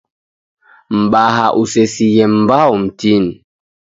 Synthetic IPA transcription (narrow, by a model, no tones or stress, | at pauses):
m̩ɓahaʔusesijɛmm̩baum̩tin